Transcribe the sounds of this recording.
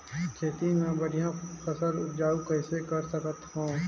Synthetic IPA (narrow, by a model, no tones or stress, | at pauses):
kʰeːt̪inãbəɽijãxəsəɾʊpd͡ʒaːukəɪsekəɾsəkət̪hõː